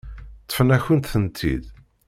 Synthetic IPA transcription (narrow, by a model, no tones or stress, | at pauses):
t̪ːə̥fənæçənt̪θənt̪ʰḭd̪